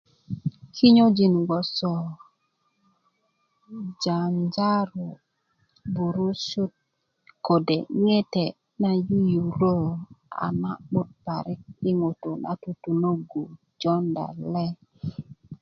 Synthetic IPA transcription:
kʰi˦ɲo˦d͡ʒi˨nɡɔ˨sɔ˨ | d͡ʒa˨nd͡ʒa˦ɾu˨ | bu˨ɾu˦su˦t̚ | ko˨de˨ŋe˦tɛ˨ | na˦ju˦ju˨ɾo˦˨a̰˨na˦ɓu˦t̚pa˨ɾi˦k̚i˦ŋo˨to˨na̰˦tu˨tu˨no˦ɡu˨ | d͡ʒɔ˦nda̰˨lɛ˦

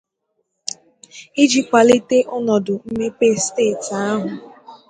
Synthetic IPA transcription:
i˦d͡ʒi˦kʷa˨li˦te˦ʔʊ˦nɔ˨dʊ˨m̩˦me˦pe˦steː˦˨ta˦ɦʊ˨

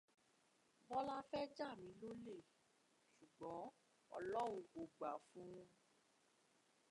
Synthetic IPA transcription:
bɔ˦la˦fɛ˦d͡ʒa˦˨mĩ˨˧˦lo˦le˦˨ | ʃu˨ɡ͡bɔ̃˨˦ | ɔ̰˦˧lɔ˦w̃ũ˧o˨ɡ͡ba˨fũ˦ũ˧

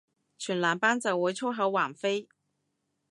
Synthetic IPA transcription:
t͡ɕʰy˨˩nla˧˥npa˥nt͡sə˨˩we˧˥ɪt͡sʰɔ˥xɤ˨˧˥wa˨˩nfe˥ɪ

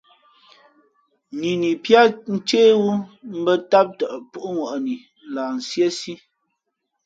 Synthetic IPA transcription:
ni˨ni˨pja˦n̩˦t͡ʃeː˦wu˦m̩˦bə˦ta˦p̚tə˨ʔpu˦ʔu˦ŋwɔ˨ʔni˨ | n̩˦˨laː˨n̩˨sje˦si˦

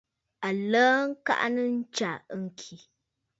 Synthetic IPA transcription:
a˨ləː˦ŋ̩˦ka̰˦ʔnɨ˦n̩˦t͡ʃa˨˦ŋ̩˦˨kʰi˨

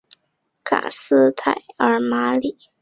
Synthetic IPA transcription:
kʰa̰˨˩sɹ̩˥t̪ʰa˨˩ɪə˧˥ma˧˥li˨˩˦

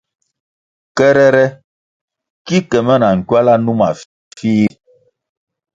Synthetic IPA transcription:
kɛ˦ɾɛ˦ɾɛ˦ | ki˦kɛ˨mɛ˦na˨ŋ̩˨kɥa˦la˦nu˦ma˨ | fiː˦

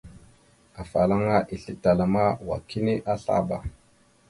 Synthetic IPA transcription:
a˨fa˨la˦ŋa˦ʔi˨ɬi˦ta˨la˨ma˦wa̰˨ki˦ni˦ʔa˦ɬa̰˦ba˨

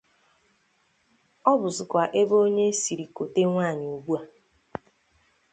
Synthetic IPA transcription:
ɔ˦bʊ˨zʊ˨kʷa˨ʔe˦bo˦ɲe˦si˨ɾi˨ko˨te˦ŋʷaː˦˨ɲɪ˨u˨bu˦a˨

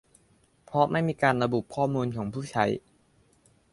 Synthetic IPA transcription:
pʰɾɔ˦˥ma˥˩jmiː˧kaː˧nɾa˧bu˨˩p̚kʰɔː˥˩muː˧nkʰɔː˩˦ŋpʰuː˥˩t͡ɕʰa˦˥j

